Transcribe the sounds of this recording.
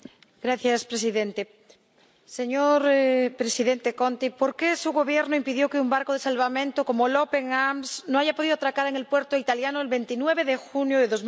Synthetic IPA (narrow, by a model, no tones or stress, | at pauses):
ɡ̥ɾaθjaspɾesiðẽnt̪e | seɲoɾpɾesiðent̪ekont̪ipoɾkesuɣo̞βjeɾnoimpiðjokeumbaɾkoð̞esalβamẽnt̪oko̞molope̞ŋamsnõaʝapoðiðoat̪ɾakaɾeŋelpwe̞ɾt̪oit̪aljanoelβe̞nt̪inweβ̞eðexunjoðeðo̞z